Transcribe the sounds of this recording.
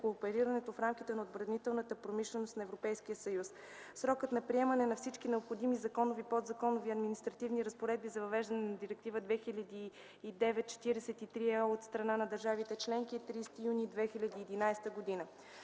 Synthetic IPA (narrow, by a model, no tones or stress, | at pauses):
koːpɛɾiɾɐnɛt̪ofɾamkit̪ɛnɐod̪bɾɐnit̪ɛlˠnət̪əpɾomiʃlɛnost̪nɐɛvɾopɛjsk̟ijəsɐjus | sɾɔkət̪nɐpɾiɛmɐnɛnɐfsit͡ʃkinɛopxod̪imizɐkɔnovipod̪zɐkɔnoviɐd̪minist̪ɾɐt̪ivniɾəspoɾɛd̪̚bizɐvɐvɛʒd̪ənɛnɐd̪iɾɛk̚t̪ivəd̪vɛxilʲɐd̪iː | d̪ɛvɛt̪̚t͡ʃɛ̥t̪iɾɛsɛt̪it̪ɾiɛot̪st̪ɾɐnanɐd̪ɐɾʒavit̪ɛt͡ʃlɛŋkiɛt̪ɾist̪ijuniːd̪vɛxilʲɐd̪iːd̪inajst̪əɡod̪inə